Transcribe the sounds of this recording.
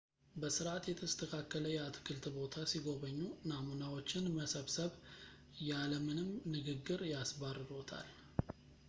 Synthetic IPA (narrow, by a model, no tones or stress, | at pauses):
bəsɨɾʔat̪jɛt̪ʰəst̪ʰəkʰakːələjɛat̪ʰkʰɨlt̪ʰbo̞t̪ʰasiɡo̞βəɲːunamunawo̞t͡ʃːɪnməsəβsəβ | jaləmɨnɨmnɨɡɨɡːɨɾjasbarːɨɾo̞t̪ʰa̰l